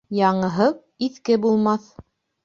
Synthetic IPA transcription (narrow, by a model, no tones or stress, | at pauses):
jɑɴɤ̆ɦɤw | iθkɘbulˠmɑθ